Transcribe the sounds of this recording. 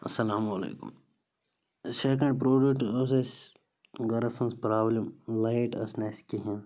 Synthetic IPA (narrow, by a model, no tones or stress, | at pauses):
ɐsɐlaːmɐlḛːkṵm | sekə̃ɳɖpɾoːɖuʈoses | ɡɐɾɐsɐ̃nspɾaːblɐmlajʈɐsneskiɦẽ